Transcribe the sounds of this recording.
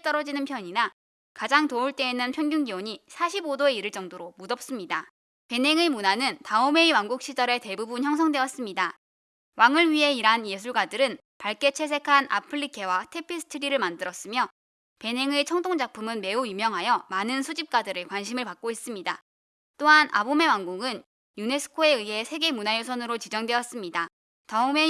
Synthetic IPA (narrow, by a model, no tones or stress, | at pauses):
t͈ʌɾʌd͡ʑinɯnpʰjʌɲina | kad͡ʑaŋtouɭt͈e̞inɯnpʰjʌnɡʲjuŋɡioɲisʰaɕʰibodoe̞iɾɯɭt͡ɕ͈ʌŋdoɾomudʌp̚s͈ɯmɲida | pe̞ne̞ŋemunanɯntaume̞iwaŋɡuk̚ɕ͈id͡ʑʌɾe̞te̞bubunçjʌŋs̬ʰʌŋdwe̞ʌs͈ɯmɲida | waŋɯɭɥiɦe̞iɾanje̞s̬ʰuɭɡadɯɾɯn | paɭk͈e̞t͡ɕʰe̞s̬ʰe̞kʰanʔa̰pʰɯɭːikʰe̞watʰe̞pʰisʰɯ̥tʰɯɾiɾɯɭmandɯɾʌs͈ɯmjʌ | pe̞ne̞ŋɯɭt͡ɕʰʌŋdʰoŋd͡ʑak̚pʰumɯnme̞ujumjʌŋɦajʌmanɯnsʰud͡ʑip̚k͈adɯɾɯɭkwanɕʰimɯɭpak̚k͈ois͈ɯmɲida | t͈oɦanʔa̰bome̞waŋɡoŋɯn | june̞sʰɯ̥kʰoe̞ɯɦe̞sʰe̞ɡe̞munajosʰʌnɯɾot͡ɕid͡ʑʌŋdwe̞ʌs͈ɯmɲida | taɯme